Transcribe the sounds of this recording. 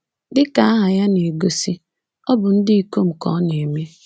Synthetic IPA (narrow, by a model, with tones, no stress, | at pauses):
dɪ˦ka˨a˦ɦa˨ja˦ne˨e˨ɡo˦si˦ | ɔ˦bʊ˨n̩˦dɪ˦i˦ko˦m̩˨kɔ̰˨˦ne˨e˨mje˦